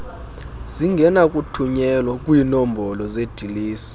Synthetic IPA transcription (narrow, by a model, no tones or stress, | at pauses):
z̥iŋɡʱɛnakʼutʰuɲɛlwakʼwiːnɔmbʱɔlɔzed̥ʱiliːsi̥